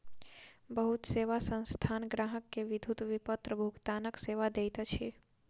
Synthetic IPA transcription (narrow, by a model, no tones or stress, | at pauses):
bəɦut̪seːʋasə̃nst̪ʰanɡɾaːɦəkːeʋɪd̪ʱut̪ʋipət̪ɾəbʱuɡt̪aːnəkseːʋad̪ejt̪at͡ʃʰe